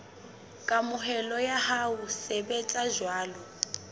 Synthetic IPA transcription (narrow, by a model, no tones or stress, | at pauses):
kʼamʊɦɛlɔjahausɛbɛt͡sʼaʒwaːlɔ